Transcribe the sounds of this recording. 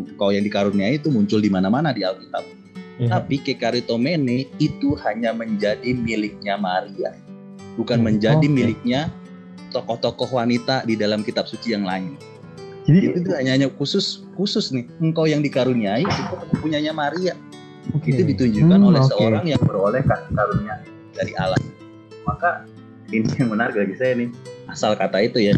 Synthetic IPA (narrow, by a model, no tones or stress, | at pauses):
əŋkawjaŋdikaɾuniait̪umuɲt͡ʃʊldimanamanadialkit̪a̰p̚ | t̪apikekaɾit̪omenɪit̪uhaɲaməɲd͡ʒadimilɪk̚ɲamaɾia̰ | bukanməɲd͡ʒadimilɪk̚ɲa | t̪ɔkɔht̪ɔkɔhwanit̪adidalamkit̪ap̚sut͡ʃijaŋla̰ŋɪt̪̚ | it̪ut̪uhaɲaɲakusʊskusʊsnɪhəŋkawjaŋdikaɾuniaiuk̪ʊəmupuɲaɲamaɾia | it̪udit̪uɲd͡ʒukanolɛhsəoɾaŋjaŋbəɾolɛhkakaɾuniai | daɾiʔa̰la̰h | maka | inijaŋbənarɡaɡisajanɪhasalkat̪ait̪uja